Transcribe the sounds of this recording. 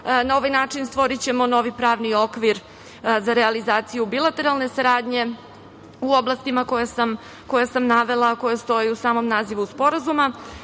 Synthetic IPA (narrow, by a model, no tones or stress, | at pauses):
nao̞ʋajnaːt͡ʂinst̪ʋo̞ɾit͡ɕe̞mo̞no̞ʋipɾaːʋnio̞kʋiɾ | zaɾealizaːt̪sijubilˠat̪e̞ɾalˠne̞saɾaːd̪ɲe̞ | uo̞blˠast̪imako̞jesam | ko̞jesamnaʋe̞lˠako̞jest̪o̞jiusaːmo̞mnaːziʋuspo̞ɾazuma